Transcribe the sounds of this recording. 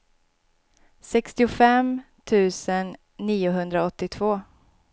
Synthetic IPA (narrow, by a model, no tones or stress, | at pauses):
sɛkst̪ɪʊfɛm | t̪ʰʉ̟ːsənː | iːʊɦɵnd̪ɾaɔt̪ːɪt̪ʰvoː